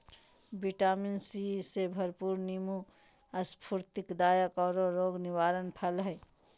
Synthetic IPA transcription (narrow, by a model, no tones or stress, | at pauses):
biʈaːminsisebʱəɾpuːɾnimu | ɐspʰuɾt̪ɪkd̪aːjəkɔːɾoɾoːɡnɪwaːɾənpʰəlɦɛː